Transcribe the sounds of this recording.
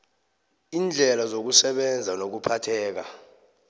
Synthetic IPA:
iːnd͡ɮʱɛlazok̬usɛɓɛnd͡zʱanok̬upʰatʰɛːk̬a

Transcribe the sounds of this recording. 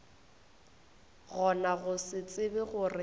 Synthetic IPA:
ɣɔnaɣʊsɪt͡sʼɪbɪɣʊrɪ

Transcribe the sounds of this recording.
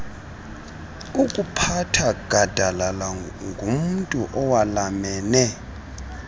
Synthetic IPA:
ukʼupʰatʰaɡ̥ʱad̥ʱalala | ŋɡʱum̩ntʼuʔɔwalamɛːnɛ

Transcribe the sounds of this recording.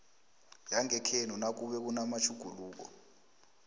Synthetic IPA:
jaŋɛkʰenunak̬uɓɛk̬unamat͡ʃʰuɡ̥ʱuluːk̬ɔ̰

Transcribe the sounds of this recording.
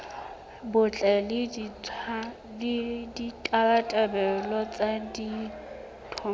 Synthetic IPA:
bʊt͡ɬʼɛlɪ | dditʼabatʼɛbɛlɔt͡sʼadi | tʰɔ

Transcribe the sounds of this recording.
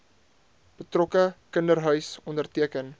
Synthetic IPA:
b̥ətrɔkəkəndərɦœɥsɔndərtiəkən

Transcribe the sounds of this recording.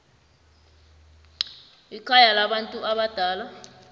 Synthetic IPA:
ikʰajalaɓantʼuʔaɓad̥ʱaːla

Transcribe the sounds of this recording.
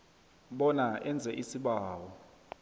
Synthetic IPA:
ɓɔnaɛnd͡zʱɛʔisiɓaːwɔ

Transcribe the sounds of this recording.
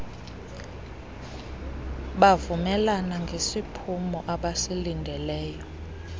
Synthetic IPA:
ɓavumɛlanaŋɡʱesipʰumɔʔaɓasilindʱɛlɛːjɔ

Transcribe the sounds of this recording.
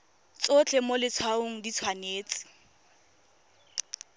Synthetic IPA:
t͡sot͡ɬʰʼemolɪt͡sʰwaoŋ̩dit͡sʰwaneːt͡sɪ̥

